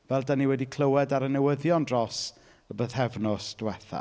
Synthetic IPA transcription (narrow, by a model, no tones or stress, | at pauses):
vɛlˠdaniwɛdikʰl̥ˠəwɛdaɾənɛwəðjɔndrɔs | əbəðhɛvnɔsd̥wɛθa̰